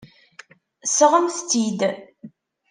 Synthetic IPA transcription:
səʁəmθt͡sːid̪

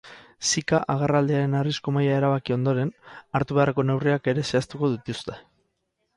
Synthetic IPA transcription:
sikaʔaɣ̞arald̪eaɾe̞narisko̞majae̞ɾaβakio̞nd̪o̞ɾe̞naɾt̪uβe̞arako̞ne̞wriake̞ɾe̞se̞ast̪uko̞ðut̪ust̪e̞̥

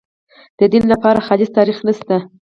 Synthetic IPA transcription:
d̪̥əd̪inlapɑɾaxɑlɪzt̪ɑɾixnəst̪a

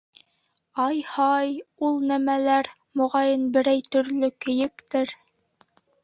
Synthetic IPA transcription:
ɑjhɑjulˠnæmælæɾ | mŏʁɑjɤnbɘ̆ɾæjt̪ɵ̆ɾlɵkɘ̆jɘkt̪ɘɾ

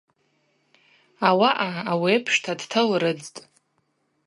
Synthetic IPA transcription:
awaʔaawiepʰʂtʰadtʰɨlɾɨd͡ztʼ

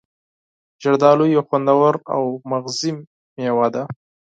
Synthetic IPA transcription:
d͡ʒaɽd̪ɑlojaxwand̪awaɾa̰wmaɣzimː | ewad̪a

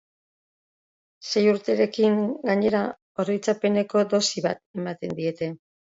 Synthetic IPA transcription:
se̞juɾt̪e̞ɾe̞kiŋɡaɲe̞ɾa | oɾojt͡sape̞ne̞ko̞d̪o̞siβa̰t̪̚e̞mat̪e̞nd̪ie̞t̪e̞

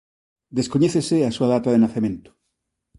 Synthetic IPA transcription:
d̪eskoɲeθeseasuaðat̪aðenaθemẽnt̪o̥

